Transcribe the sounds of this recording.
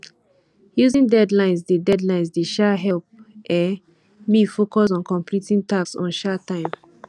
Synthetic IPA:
juzĩndɛdlãɪ̃ns̬dedɛdlãɪ̃nsdeʃɛɦɛlp̚ɛ | mifokɔs̬ɔ̃nkɔ̃mplitĩŋtaksɔ̰̃nʃatːãɪ̃m

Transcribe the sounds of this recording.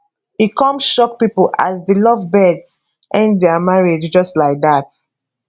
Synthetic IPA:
ikɔ̃mʃɔk̚pipəla̰zdəlɔvbɛdz | ʔɛ̃nddɛəmaɹed͡ʒd͡ʒʌstlaɪk̚ðat

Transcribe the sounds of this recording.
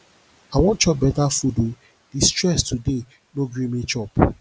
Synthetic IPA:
awɔ̃nt͡ʃɔp̚bɛtafudo | d̥istɹɛstude | noɡɾimĩt͡ʃɔp

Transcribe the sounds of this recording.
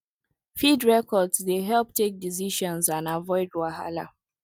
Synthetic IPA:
fidɹɛkɔdzdeɦɛlp̚tʰek̚diziʃɔ̃nzãnavɔɪdwaɦa̰la̰

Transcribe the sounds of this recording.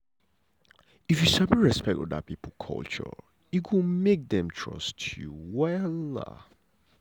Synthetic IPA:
ifjuʃabiɹɛspɛk̚tɔ̰da̰t̚pʰipəl̩ˠkʰɔ̰lt͡ʃə̰ | itwəmek̚ðɛ̃mtʰɹ̥ʌ̰stʰjuwɛl̰

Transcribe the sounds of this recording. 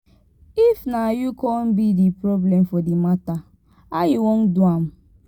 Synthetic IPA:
ifnajukɔn̩bidipɾoblemfɔdimata | ajiwon̩duam̩

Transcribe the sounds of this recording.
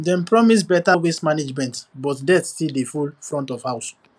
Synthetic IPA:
dɛ̃n̩pɹɔmis̬bɛtawesmaned͡ʒmɛ̃ntbɔtdɛtstildefulfɹɔ̃ntɔvhaʊs

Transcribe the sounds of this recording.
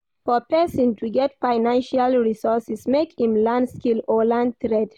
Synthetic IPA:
fɔpʰɛsɔ̃ntʰuɡɛtfaɪnãnʃalɹisɔsɛsmekhĩmlãndskilɔlãn̚t̪ɹɛd

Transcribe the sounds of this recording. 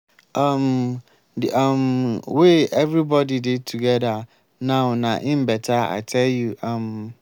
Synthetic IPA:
ãm | ãmweɛvɾibɔdidɪtʰuɡɛda | nãʊnãʔɪ̃m̩bɛtʰaa̰ɪtʰɛljuʔãm

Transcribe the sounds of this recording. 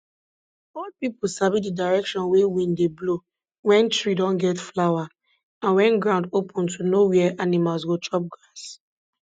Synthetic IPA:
ɔlpipol̩sabididaɹɛkʃɔ̃nwewĩndeblo | wɛ̃ntɹidɔ̃nɡɛtflawa | ãnwɛ̃nɡɹãʊ̃ndopʰɔ̃ntʰunowɛɛʔanimalsɡotʰɹɔp̚ɡɹas

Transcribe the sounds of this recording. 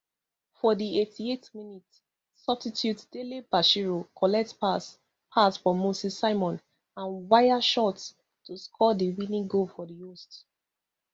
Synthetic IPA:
fɔdietietminitsː | ʌbsitʰjutd̥elibaʃiɹokʰɔlɛk̚tpas | pʰastfɔmosisaɪmɔ̃n | ãnwaɪaʃɔts | tuskʰɔdiwĩnĩŋɡofɔdiost

